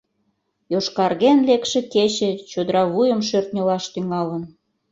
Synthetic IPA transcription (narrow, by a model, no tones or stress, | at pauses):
joʃkɑrɣenlekʃĕket͡ɕĕt͡ɕod̪əɾɑβujəmʃørt̪nʲolɑʃt̪yŋɑlən